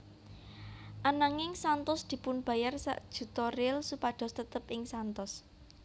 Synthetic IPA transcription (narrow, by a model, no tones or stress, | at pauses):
ʔanaŋɪŋsant̪ʊsd̪̥i̤pʊnb̥ä̤jarsa̰ʔd̥ʒ̥ṳt̪ɔrɪlsupaɖ̪̥ɔ̤st̪ət̪əpʔɪŋsant̪ɔs